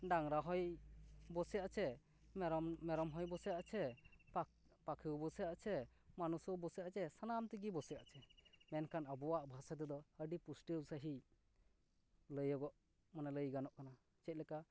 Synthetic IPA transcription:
ɖaŋɾaɦɔjbɔsɛjaʔt͡ʃʰɛ | ɾɔmɛɾɔmɦɔjbɔsɛjaʔt͡ʃʰɛ | pakʰiwbɔsɛjaʔt͡ʃʰɛ | manusɔwbɔsɛjaʔt͡ʃɛsanamt̪iɡibɔsɛja̰ʔt͡ʃʰɛmɛnkʰanəbɔwaʔbʱasad̪ɛd̪ɔəɖipusʈəwsaɦi | ləjɔɡɔʔ | manɛləjɡanɔʔkana | t͡ʃɛc̪̚ˀlɛka

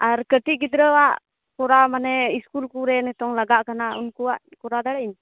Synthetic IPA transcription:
aɾkəʈiɡid̪ɾəwaʔ | kɔɾamanɛiskulkuɾɛnɛt̪ɔŋlaɡaʔkanaunkuwaʔkɔɾad̪aɽain

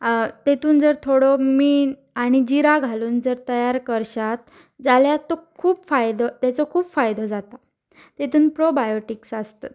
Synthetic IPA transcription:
t̪et̪uːnd͡zəɾt̪ʰoɽɔmiːn | aɽ̃id͡ʑiɾaɡʱaluːnd͡zəɾt̪əjaɾkəɾɕat̪ | d͡zaljat̪ɔkʰuːpfajd̪ɔt̪jat͡sɔkʰuːpfajd̪ɔd͡zat̪a | t̪et̪uːnpɾobajoʈiksast̪at̪

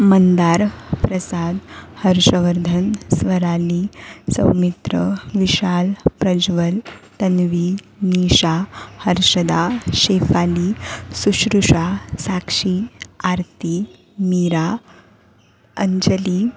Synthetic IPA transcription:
mənd̪aɾpɾəsad̪həɾɕəʋəɾd̪ʱənsʋəɾalisə̰wmit̪ɾə̰ʋiɕalpɾəd͡ʑʋəlt̪ənʋiː | niɕahəɾɕəd̪aɕefalisuɕɾuʂasakʂiaɾt̪i | miːɾa | əɲd͡ʑəliː

